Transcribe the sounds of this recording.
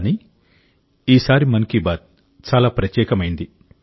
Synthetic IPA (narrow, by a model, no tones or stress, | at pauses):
ni | iːsaːɾimɐnɐkibaːt̪̚ | t͡ʃaːlaːpɾɐt̪jɛːkɐmɐjind̪i